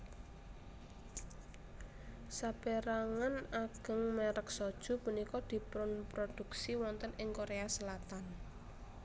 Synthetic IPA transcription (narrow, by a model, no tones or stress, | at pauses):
sab̥eɾaŋanaɡ̥ə̤ŋmɛɾək̚sɔd̥ʒ̥ṳpunikɔd̪̥i̤pɾʊnpɾod̪̥ṳksiwɔnt̪ənɪŋkoɾeasəlat̪an